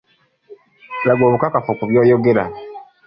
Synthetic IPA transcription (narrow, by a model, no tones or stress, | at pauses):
laɡoːβukakafokuβjoːjoɡeɾa̰